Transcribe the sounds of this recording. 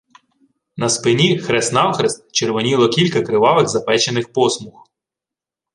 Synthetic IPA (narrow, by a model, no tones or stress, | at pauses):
nɐspɪnʲixɾɛsnɑwxɾest̪̚t͡ʃerʋɔnʲilˠɔkʲilʲkɐkɾɪʋɑʋɪɣzɐpɛt͡ʃenɪxpɔsmux